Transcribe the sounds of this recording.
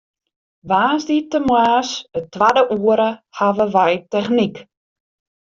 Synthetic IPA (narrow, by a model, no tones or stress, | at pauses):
ʋaːzditəmwaːsətʋadəʔuəɾəhaʋəʋɛjtɛxnik